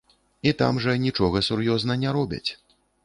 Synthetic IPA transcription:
it̪a̰mʐɐnʲit͡ʂɔɣɐsurjɔznɐnʲaɾɔbʲɐ̰t͡sʲ

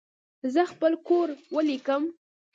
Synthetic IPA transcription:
zəxpəlkoɾwəlikəm

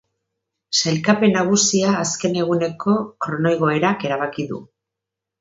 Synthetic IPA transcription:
sajlkape̞naɣ̞usiaːske̞ne̞ɣ̞une̞ko̞kɾo̞no̞jɣ̞o̞e̞ɾake̞ɾaβ̞akiðṵ

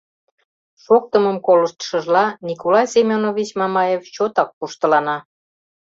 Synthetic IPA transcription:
ʃok̚t̪əməmkoləʃt̪ʃəʒlɑnikolɑjsemʲonoβʲit͡ɕmɑmɑjeft͡ɕot̪ɑk̚puʃt̪ə̆lɑnɑ

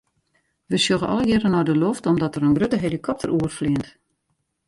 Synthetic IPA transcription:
ʋəsjoɣəɔ̰ləɡɪɾənɔrdəloftɔmdɔtəɾənɡrøtəɦelikʰɔp̚tʰə̰rʔuərfliənt

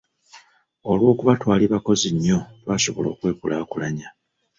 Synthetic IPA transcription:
olwo̞ːkuβatwaːliβako̞ziɲːo̞twaːso̞βolo̞ːkwe̞ːkulʔaːkulaɲa

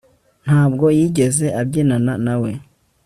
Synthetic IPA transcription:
n̥haːbɡo̞jiːɟe̞ze̞ʔabɟeːnananawe̞

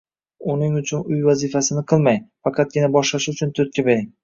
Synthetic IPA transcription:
ʊnɪŋʊt͡ʃʰʊnʊjvazifasɪnɪqʰɨlˠmajfɑqʰɑt̪̚ɡʲɪnabɒʃlaʃɪʊt͡ʃʰʊnt̪ʰʊt̪̚kʲabe̞ɾɪŋ

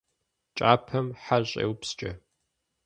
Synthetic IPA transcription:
t͡ʃʼaːpʰɐmħaɕʼḛːwpst͡ʃʼɐ

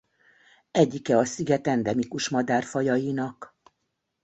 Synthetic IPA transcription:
ɛɟːikɛɒsiɡɛt̪ɛnd̪ɛmikuʃmɒd̪aːrfɒjɒjinɒk

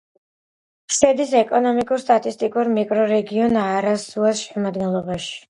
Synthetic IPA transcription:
sɛd̪isɛkʼɔnɔmikʼuɾst̪ʼat̪ʼist̪ʼikʼuɾmikʼɾɔɾɛɡiɔnaɾasuasʃɛmad̪ɡɛnlˠɔbaʃi̥

